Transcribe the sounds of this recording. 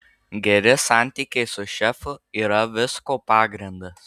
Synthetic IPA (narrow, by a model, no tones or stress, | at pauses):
ɡʲɛɾʲɪsɑˑnʲt̪ʲiːkʲɛɪsʊʃʲɛfʊiːɾɐʋʲɪskoːpɑːɡɾʲɪnd̪ɐs